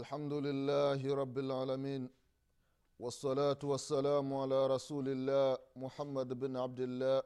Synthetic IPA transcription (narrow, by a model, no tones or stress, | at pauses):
ʔalħamd̪ʊlɪlːaːhɾˤɑbːalʕaːlamiːn | wɑsˤːɑlaːt̪ʊwasːalaːmʕalaːɾˤɑsuːlɪlːaːmʊħamːad̪bɪnʕab̚d̪ɪlːaː